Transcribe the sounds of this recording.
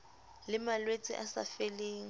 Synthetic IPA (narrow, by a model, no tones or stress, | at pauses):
lɪmalwet͡sʼɪ̰ʔasa̰feleːŋ̩